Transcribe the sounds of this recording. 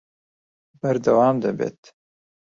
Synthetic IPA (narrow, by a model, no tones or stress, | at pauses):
bɐɾd̪ɐwɑːmd̪ɐbḛːt̪